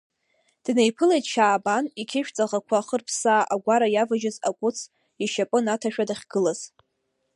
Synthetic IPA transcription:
d̥ne̞jpʰɨlejtʼʃaːbanikʲʰɪʃᶣt͡sʼaʁakʷʰaχərpʰsaːʔaɡʷaɾajavaʒɪzakʷʼʊt͡sʰ | iʃapʼɨnatʰaʃᶣadaχʲɡ̥ɨlaz̥

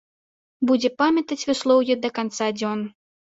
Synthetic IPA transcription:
bud͡zʲɛpamʲɐt̪ɐt͡sʲvʲɨslˠɔwjɛd̪ɐkant̪sad͡zʲɔn

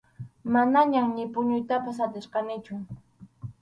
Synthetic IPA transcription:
manaɲamɲɪpʊɲʊjt̪apas̬at̪ɪsqɑnɪt͡ʃʊ

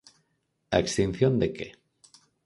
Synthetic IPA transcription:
akst̪in̟θjond̪eke

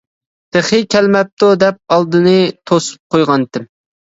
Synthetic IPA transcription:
d̪̥ɪχɪkʲʰɛlmɛp̚t̪ʰod̪ɛp̚ɑlˠd̪ɨnɨt̪ʰosu̥p̚qʰojʁɑnt̪ɪm

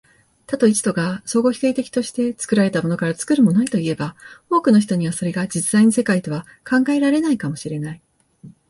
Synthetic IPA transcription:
t̪at̪o̞it͡ɕɨ̥t̪o̞ɡaso̞ːɡo̞çi̥t̪e̞ːt̪e̞kʲi̥t̪o̞ɕi̥t̪e̞t͡sɨ̥kɯ̟ɾaɾe̞t̪amo̞no̞kaɾat͡sɨ̥kɯ̟ɾɯ̟mo̞nait̪o̞ie̞bao̞ːkɯ̟no̞ç̬i̥t̪o̞ɲ̟iβaso̞ɾe̞ɡad͡ʑit͡sɨzaiɲisekait̪o̞βa | kʰãŋɡae̞ɾaɾe̞naikamo̞ɕiɾe̞nai

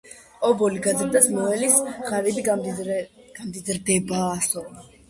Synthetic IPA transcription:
ɔbɔliɡazɾd̪asmɔɛlisʁaɾib̪i | ɡ̥amd̪izɾd̪ɛbaːsɔ

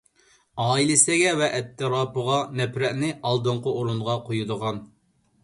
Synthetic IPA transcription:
ɑːilɪsɛɡʲɛvɛʔɛt̪ʰːɨɾɑːpəʁɑnɛpɾɛʔnɪʔɑlˠd̪oɴqooɾunʁɑqʰojud̪əʁɑn

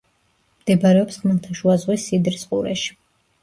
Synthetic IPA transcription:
md̪̥ɛbaɾɛɔpsʁmɛlˠt̪ʰaʃuazʁwisːid̪ɾisqʼuɾɛ̰ʃi̥

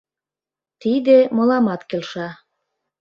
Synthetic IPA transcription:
t̪id̪emɤ̆lɑmɑt̪kelʃɑ

